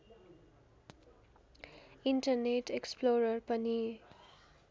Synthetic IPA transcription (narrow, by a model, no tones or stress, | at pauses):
iɳʈʌrneʈeksploɾʌrpʌni